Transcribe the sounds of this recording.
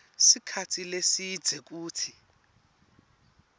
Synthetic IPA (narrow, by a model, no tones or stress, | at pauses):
sikʰatʰilesid̥d͡zʱɛk̬uːtʰi